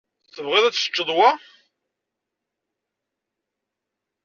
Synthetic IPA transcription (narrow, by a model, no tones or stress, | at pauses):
θəvʁɪðˤæt͡ssə̥t͡ʃːəðˤwa